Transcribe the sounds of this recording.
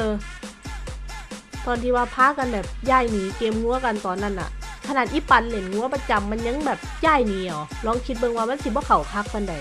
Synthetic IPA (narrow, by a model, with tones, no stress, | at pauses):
ʔɤː˧ | t̪ɔː˨nt̪ʰiː˧waː˧pʰaː˧˥ka˧˨nbɛː˨˩p̚jaː˧˩jniː˨˦keː˧mŋu˧˦ɐ˦ka˧˨nt̪ɔː˨nːa˧˥˨nʔa̰˧˩ʔkʰa˧naː˨˩t̪̚ʔiː˧˦pa˨nle˨˩nŋu˧˦ɐ˦pa˧t͡ɕa˨mːa˧˥˨nɲa˧˥˨ŋbɛː˨˩p̚jaː˧˥˩jniː˨˦ʔɔː˨˦lɔː˧˥˨ŋkʰi˧t̪̚bɤ˧˨ŋwaː˧ma˧˥˨nsi˧˦bɔː˧˦kʰa˨˩wkʰa˧˥k̚ka˧˨nda˨˩j